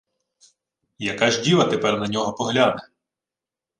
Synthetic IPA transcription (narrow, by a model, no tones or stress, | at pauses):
jɐkaʒʲdʲiʋɐt̪epɛrnɐnʲɔɦɔpɔɦlʲanɛ